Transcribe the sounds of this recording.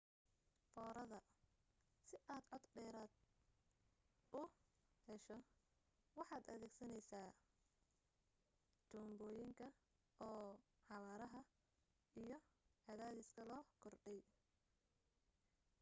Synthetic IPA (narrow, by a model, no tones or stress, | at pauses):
fɔːɾɐðɐ | sɪʔaːd̪ʕɔd̪ɖɛːɾaːd̪̚ | ʊhɛʃɔ | wɑħɑːd̪ɐ̰ðɛːɡsɐnɛjsaː | t̪ʰuːmbɔːjɪŋkʰɐ | ɔːħɑwaːɾɐɦɐ | ijɞʕɑðaːðɪskʰɐlɔːkʰɔrɖɛj